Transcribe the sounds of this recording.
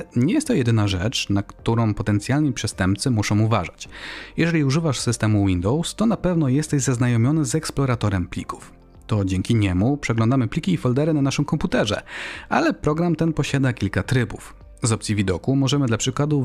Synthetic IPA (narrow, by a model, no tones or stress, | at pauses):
ɲɛjɛst̪t̪ːɔjɛd̪ɘnaʐɛt͡ʂnakt̪uɾɔ̃w̃pɔt̪ɛnt̪sʲjalɲipʂɛst̪ɛmp̚t̪sɘmuʂɔ̃w̃uvaʐat͡ɕjɛʐɛlʲiuʐɘvaʂsɘst̪ɛmuwind̪ɔwst̪ɔnapɛvn̪ɔjɛst̪ɛʑzaznajɔmʲjɔnɘzɛksplɔɾat̪ɔɾɛmplʲiku̥f | t̪ɔd͡ʑɛŋkʲiɲɛmupʂɛɡlɔ̃nd̪amɘplʲikʲiːfɔld̪ɛɾɘnanaʂɨmkɔmput̪ɛʐɛ̰alɛpɾɔɡɾamt̪ɛnpɔɕad̪akʲilkat̪ɾɘbuf | zɔpt̪sʲivʲid̪ɔkumɔʐɛmɘd̪lapʂɘkwad̪u